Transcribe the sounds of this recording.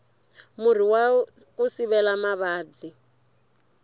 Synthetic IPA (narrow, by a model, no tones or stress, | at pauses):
mur̤iwakusiβɛlamaβaːd͡zi